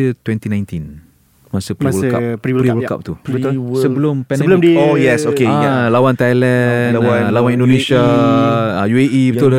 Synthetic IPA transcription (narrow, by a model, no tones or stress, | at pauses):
ət̪wɛ̃nt̪inãjnt̪in | masəpɾiwəlka̰pɾiɾiwəlka̰p̚t̪ussəbəlʊmpɛ̃sblojɛsokelawant̪ajlɛnawalawãnĩndonẽsa | ajueʔibəu